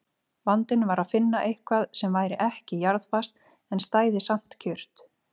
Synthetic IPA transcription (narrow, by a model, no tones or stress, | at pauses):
vant̪ɪnvaɾaðfɪnːaʔejhkʰvaðsɛmvaːjɾɪʔɛhcɪjaɾðfast̪ | ɛnst̪aːjðɪsam̥t̪cʰʏr̥t̪